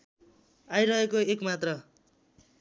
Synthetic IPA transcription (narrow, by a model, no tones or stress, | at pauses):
ajɾʌɦekoekmat̪rʌ